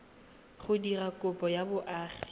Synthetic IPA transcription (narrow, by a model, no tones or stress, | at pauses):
χʊdirakʼʊpʼɔjabʊʔaːχɪ